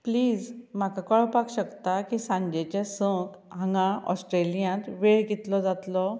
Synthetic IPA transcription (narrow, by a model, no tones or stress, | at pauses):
pliːd͡zm̤akakəɭpakɕəkt̪akisãɲd͡ʑet͡ɕesə̃k | ɦãŋɡãʔɔ̰sʈɾelijãt̪ʋeɭɡit̪lɔd͡zat̪lɔ